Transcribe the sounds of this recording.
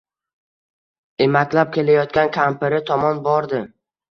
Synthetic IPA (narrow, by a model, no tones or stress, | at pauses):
e̞makʲlap̚kʲe̞lajɒt̪kʲankʲʰampɪɾɪt̪ʰɒmɒnbɒɾd̪ɪ